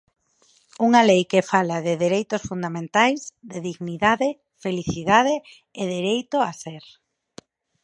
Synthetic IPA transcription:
uŋalejkefalaðɪðeɾejt̪ʊsfund̪amẽnt̪ajzd̪eðiɣniðaðɪ | feliθiðaðɪː | ðeɾejt̪oaseɾ

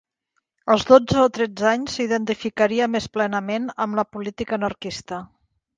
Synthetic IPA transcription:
əlˠzðod͡zəot̪ɾɛd͡zaɲsiðənt̪ifikəɾiəmesplɛnəmenəmləpulit̪ikəːnərkist̪ə

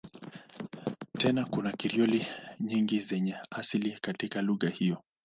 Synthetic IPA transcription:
tɛnakunakiɾiɔliɲiŋɡizɛɲɛasilikatikaluɣahijɔ

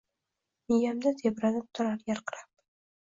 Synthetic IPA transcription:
nɪjamd̪at̪ʰebɾanɪpʊ̥t̪ʰaɾaɾjaɾqʰɨɾap̚

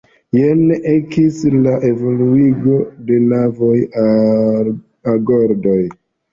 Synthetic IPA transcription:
jeneʔekislaʔe̞vo̞luiɡo̞de̞navo̞j | aɡoɾdo̞j

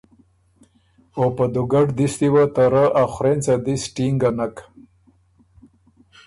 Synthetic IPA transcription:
opad̪uɡɐɖd̪ist̪iwat̪aɾaʔaxɾent͡sad̪isʈiŋɡanak

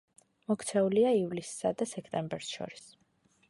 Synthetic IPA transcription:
mɔkʰt̪sʰɛuliaivlisːa̰d̪asɛkʰt̪ʼɛmbɛɾsʃɔ̰ɾis

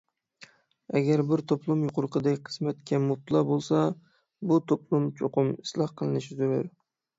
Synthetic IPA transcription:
aɡʲaɾbɪɾt̪ʰoplˠʊmjʊqʊɾqʰɨd̪akʲqʰɨ̥smat̪kʲʰːamʊb̚t̪ʰlˠɑbolˠsa | bʊt̪ʰoplˠʊmt͡ʃʰoqʰʊmɪ̥slˠɑhqʰɨlˠɨnɪʃɪzoɾʊɾ

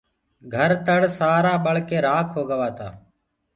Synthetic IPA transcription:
ɡʱəɾt̪əɽsaːɾaːɓəɭkeːɾaːkʰɦoːɡəʋaːt̪a̰ː

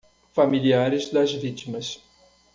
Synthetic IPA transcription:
familiaɾɪzd̪ɐzvit͡ʃimɐs

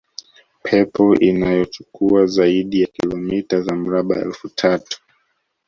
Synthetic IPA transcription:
pʰɛpɔʔinajɔt͡ʃu̥kuazaiɗijakilɔmitazam̩ɾaɓa̰ɛ̰lfutʰatu̥

